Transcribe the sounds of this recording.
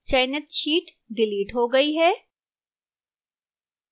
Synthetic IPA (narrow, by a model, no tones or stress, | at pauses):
t͡ʃɐːɪnət̪̚ʃiːʈ | ɖɪliːʈɦoɡɐiɦɛː